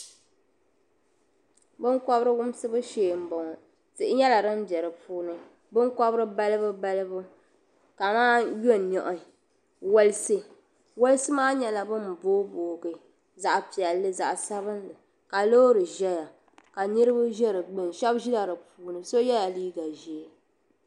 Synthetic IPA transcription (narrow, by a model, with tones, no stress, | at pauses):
bɨ˦nkɔ˦bɾɨ˦wʊ˦msɨ˦bɨ˦ʃeː˨m̩˨bɔ˨ŋɔ˨ | tɨ˨ʔɪ˦ɲɛ˦la˨ɾɨ˦m˦bɛ˨ɾɨ˨puː˦nɨ˦ | bɨ˦nkɔ˦bɾɨ˦ba˦lɨ˦bɨ˦ba˦lɨ˦bɨ˦ | ka˨maː˦jo˦˨nɔ˨ʔʊ˨ | wo˦lɨ˦sɨ˦ | wo˦lsɨ˦maː˦ɲɛ˨la˨bɨ˦m˨boː˦boː˨ɡɨ˨ | za˨ʔpi˨ɛ˨lːɨ˦za˨ʔsa˦βɨ˦nlɨ˨ | ka˨lo˦ɾɨ˨ʒɛ˦ja˨ | ka˨nɨ˦ɾɨ˦ba˦ʒɛ˦ɾɨ˨ɡ͡bɨ˦˨nʃɛ˦bʒi˦la˨ɾɨ˨puː˨˦nɨ˨so˦jɛ˦ja˨liː˦ɡa˨ʒi˨e˦